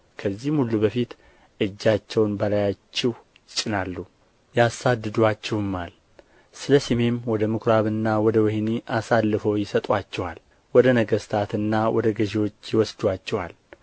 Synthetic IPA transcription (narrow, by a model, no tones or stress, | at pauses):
kʰəzːihmhulːubəfit̪ | ʔɨd͡ʒːat͡ʃːɛwnbəlajat͡ʃːɛh | jɪt͡ʃʼɪnalːu | jasad̪ːɨd̪wat͡ʃːɛhɨmːal | sɨləsime̞mwɔd̪əmɨkʰɾaβɨnːawɔd̪əwɛhniʔasalːɨfəwjɪsət̪ʼwat͡ʃːɛwal | wɔd̪ənəɡəst̪ʰat̪ɨnːawɔd̪əɡəʒewo̞t͡ʃːjɪwɔsd̪wat͡ʃːɛwal